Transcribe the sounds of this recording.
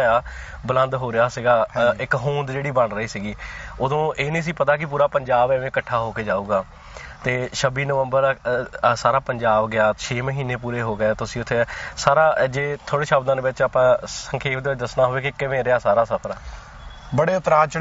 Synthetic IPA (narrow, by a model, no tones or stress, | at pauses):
aːbələ̃nd̪ɦoːɾɪjaːsiɡaːɪkɦũːnd̪d͡ʒeːɽiːbəɳɾəiːsiːɡiːʊd̪õːʔeːnĩːəs̬ĩːpət̪aːk̬ɪp̬uːɾaːpəɲd͡ʒaːbʋẽːkəʈʰːaːɦoːkeːd͡ʒaːuːɡaː | t̪eːʃəbiːnəʋəmbəɾsaːɾaːpəɲd͡ʒaːbɡɪaːt͡ʃʰeːməɦiːneːpuːɾeːɦoːɡeaːt̪ʊsĩːʊt̪ʰːeːsaːɾaːd͡ʒeːt̪ʰoːɽeːʃəbd̪ãːd̪eʋɪt͡ʃaːpãːsəŋkʰeːpd̪eːɪt͡ʃd̪əsnaːɦoːeːkɪkɪʋẽːɾɪaːsaːɾaːsəp̪ʰɾaː | bəɽeːʊt̪ɾaːt͡ʃ